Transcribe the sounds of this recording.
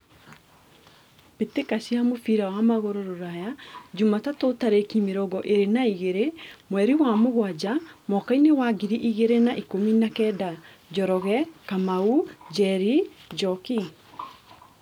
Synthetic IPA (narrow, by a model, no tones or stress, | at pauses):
petekasiamofiɾawamaɣoɾoɾoɾajad͡ʒumatatotaɾekimeɾɔɡɔʔeɾenaiɣeɾemwɛɾiwamoɣwad͡ʑamɔkainewaɡiɾiʔiɣeɾenaʔikominakɛːda | d͡ʒɔɾɔɣɛkamaud͡ʒɛɾid͡ʒɔki